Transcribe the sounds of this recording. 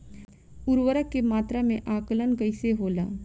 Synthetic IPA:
ʊɾwəɾəkːemaːt̪ɾamẽʔaːkələnkəɪseɦoːlaː

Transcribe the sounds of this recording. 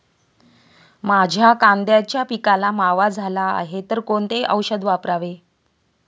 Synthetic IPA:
mad͡ʑʱjakand̪jat͡ɕjapikalamaʋad͡zʱala̰ːɦet̪əɾkoɳt̪eʔəwɕəd̪ʋapɾaʋe

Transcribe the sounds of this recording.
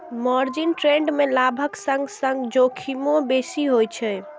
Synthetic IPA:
mɔɾd͡ʒinʈɾẽɳɖmelabʱəksə̃ŋɡsə̃ŋɡd͡ʒokʰimõbesiɦojt͡ʃʰɛ

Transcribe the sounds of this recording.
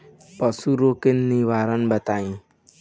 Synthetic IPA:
pʌsuɾokenːiʋaɾənbət̪aĩ

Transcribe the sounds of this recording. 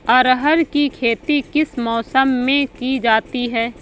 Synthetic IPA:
ɐɾɦəɾkikʰeːt̪ikɪsmɔːsəmːẽkid͡ʒaːt̪iɦɛː

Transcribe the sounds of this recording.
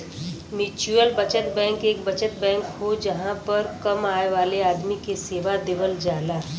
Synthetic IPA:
mit͡ʃuəlbət͡ʃət̪bɛ̃ːŋkeːkbət͡ʃət̪̚bɛ̃ːŋkɦod͡ʒəɦãpəɾkəmaːeʋaːleaːd̪mikeseːʋad̪eːʋəld͡ʒaːlaː

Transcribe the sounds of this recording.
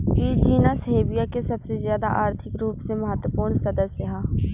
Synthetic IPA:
kit͡ʃiːnasəɦeːbijakesɐbsezjaːd̪a̰ʔaːɾt̪ʰɪkɾuːpseməɦət̪wəpuːɾɳsɐd̪əsjəɦaː

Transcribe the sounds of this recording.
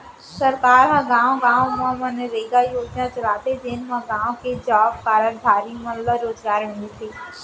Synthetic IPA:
səɾkaːɾɦãɡãːʋɡãːʋmãmə̃neɾeːɡajoːd͡ʒnãt͡ʃəɾaːt̪ed͡ʒeːnmãɡãːʋ̃ked͡ʒaːpkaːɾəlbʱaːɾimələɾoːzɡaːɾʋẽnd̪iseː

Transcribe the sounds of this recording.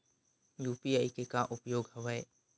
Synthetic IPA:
juːpiajkekãʔʊpjoːɡɦəʋəe

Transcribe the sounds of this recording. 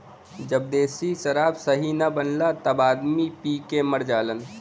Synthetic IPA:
d͡ʒəb̚d̪eːsisəɾaːbsəɦinəbənlat̪əbaːd̪mipikeməɾd͡ʒaːlən

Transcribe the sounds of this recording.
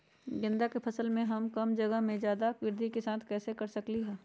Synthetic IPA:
ɡɪ̃nd̪akepʰɐsəlmẽɦɐmkɐmd͡ʒɐɡəɦmẽzjaːd̪akwɪɾd̪ʱikesaːt̪ʰkɛːsekɐɾsɐkliɦɛː

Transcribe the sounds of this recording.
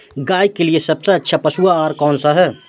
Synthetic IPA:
ɡaːjkeliesɐbseɐtːʃʰapɐsuaaːɾkɔːnsaɦɛː

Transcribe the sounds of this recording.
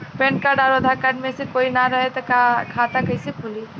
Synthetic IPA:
pẽɳʈ̚kaɖaɾod̪ʱakaɖmesẽkoinaɾəɦɛt̪ɔkakʰat̪akəjsikʰuli

